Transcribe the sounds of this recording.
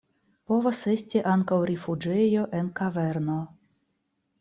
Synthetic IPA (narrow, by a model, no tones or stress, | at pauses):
po̞vase̞stʲiʔaŋkawɾifud͡ʒejo̞ʔe̞nkave̞ɾno